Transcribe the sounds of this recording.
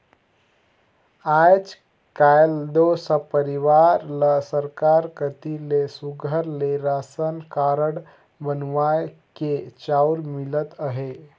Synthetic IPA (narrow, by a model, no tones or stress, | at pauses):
ad͡ʒ | kajld̪osəpəɾiʋaɾləsəɾkaɾkət̪ilesuɡʱəɾleɾasənkaɾəɽ | bənʋajket͡ɕawɾmilət̪əɦe